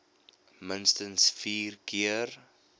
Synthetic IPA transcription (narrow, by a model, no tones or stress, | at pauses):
mənstənsfiːrkiər